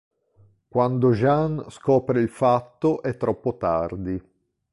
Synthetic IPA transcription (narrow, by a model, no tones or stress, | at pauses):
kwand̪oʒanskɔːpɾeilfat̪ːoʔɛt̪ːɾɔpːot̪a̰rd̪i